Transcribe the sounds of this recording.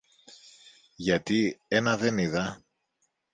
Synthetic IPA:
ʝɐt̪ie̞nɐðe̞niðɐ

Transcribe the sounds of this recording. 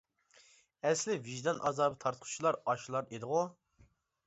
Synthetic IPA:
ɛslɪviʒd̪ɑnʔɑ̰zɑːbɨt̪ʰɑɾt̪qʰʊ̥t͡ʃʰilˠɑɾɑʃlˠɑɾed̪ɨʁu

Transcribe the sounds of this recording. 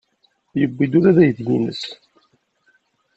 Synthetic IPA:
jəbːid̪uɾæðæjəθɡṵnə̰s

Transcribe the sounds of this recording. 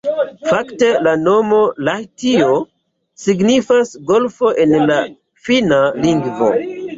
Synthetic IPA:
fakte̞lano̞mo̞lajtio | siɡnifasɡo̞lfoʔenla | finaliŋɡvo̞̰

